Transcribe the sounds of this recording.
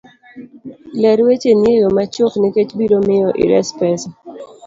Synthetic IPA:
lɛɾwet͡ʃenejomat͡ʃokniket͡ʃbiɾomɪjɔʔḭɾɛ̰spɛs

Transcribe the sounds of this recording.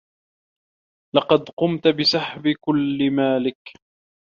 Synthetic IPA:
lɑqɑd̪qʊmt̪bɪsaħbɪkʊlːɪmaːlɪk

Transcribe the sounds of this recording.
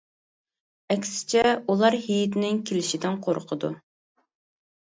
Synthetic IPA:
ɛkʲsɪ̥t͡ʃʰɛulˠɑɾɦijit̪ʰɪnɪŋkʲʰelɪʃid̪ɪnqʰoɾqʰəd̪ṵ

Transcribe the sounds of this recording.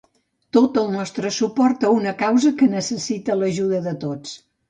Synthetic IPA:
t̪ot̪əlˠnɔst̪ɾəsupɔrt̪əunəkawzəkənəsəsit̪ələʒuðəðət̪ot͡s

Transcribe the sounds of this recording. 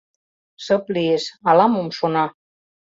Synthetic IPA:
səpliesalamomʃonɑ

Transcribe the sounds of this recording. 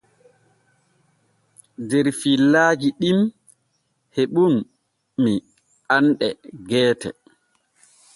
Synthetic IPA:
dɛɾfilːaːd͡ʒiɗim | heɓunː | i | ʔanɗɛɡɛːtɛ̰

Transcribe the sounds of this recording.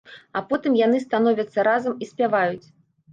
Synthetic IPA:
apɔt̪ɨmjanɨst̪an̪ɔvʲɐt̪sːɐɾazɐmisʲpʲavajut͡sʲ

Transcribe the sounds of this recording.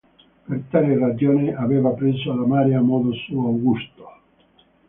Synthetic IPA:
pert̪aːlerad͡ʒoːnɪaveːvapɾeːzoalamaːɾjamɔːðosuawɡust̪o̥

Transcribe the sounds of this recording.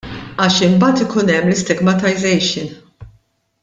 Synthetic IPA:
ɐːʃɪmbɐːt̪ɪkʊnɛmːlɪst̪ɪɡmɐt̪ɐjzɛjʃɪn

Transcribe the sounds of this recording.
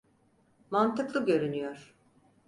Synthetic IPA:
mant̪ɯklˠɯɟø̞ɾynyjoɾ̥

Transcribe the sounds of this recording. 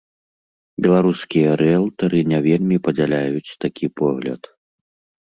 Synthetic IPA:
bʲɛlˠaɾuskʲijɐɾɛlˠt̪ɐɾɨnʲavʲelʲmʲipɐd͡zʲalʲajut͡sʲt̪akʲipɔɣlʲɐ̰t̪

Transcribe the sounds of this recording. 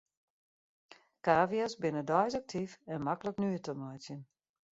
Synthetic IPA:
kaːviasbɪnədɔjsak̚tʰifɛnmakələknyətəmɔjtjən

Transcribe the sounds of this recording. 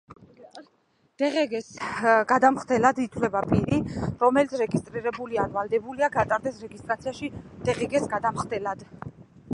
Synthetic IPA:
d̪̥ɛʁɛɡɛsɡad̪amχd̪ɛlad̪it̪ʰwlɛbapʼiɾiɾɔmɛlit̪ʰɾɛɡist̪ʼɾiɾɛbulianvalˠd̪ɛbuliaɡat̪ʼaɾd̪ɛsɾɛɡist̪ʼɾat̪sʰiaʃid̪̥ɛʁɛɡɛsɡad̪amχd̪ɛlad̪̥

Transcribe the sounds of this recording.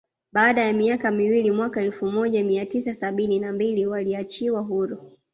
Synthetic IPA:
ɓaːɗajamiakamiwilimwakaɛlfumɔʄamiatisasaɓininambiliwaliat͡ʃiwaɦuɾu

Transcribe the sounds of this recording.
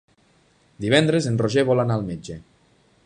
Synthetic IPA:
d̪iβɛnd̪ɾezenroʒeβɔlanaːlˠmed͡ʒe

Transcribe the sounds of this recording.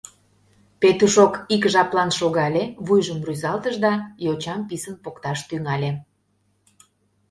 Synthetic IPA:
pet̪uʃokikʒɑplɑnʃoɣɑlʲeβujʒəmryzɑlt̪əʒd̪ɑjot͡ɕɑmpisənpokt̪ɑʃt̪yŋɑlʲe

